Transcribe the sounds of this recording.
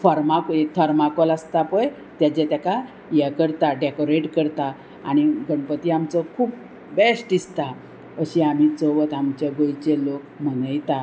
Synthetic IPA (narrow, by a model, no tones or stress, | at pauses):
fɔɾmaket̪ʰəɾmakolast̪apəj | t̪jad͡ʑet̪jaka | jɛkəɾt̪aɖekoɾeʈkəɾt̪a | a̰ɽ̃iɡəɳpət̪iamt͡səkʰuːp̚ | besʈist̪a | əɕiam̤iːt͡soʋət̪amt͡ɕeɡojt͡ɕelokm̤ənəjt̪a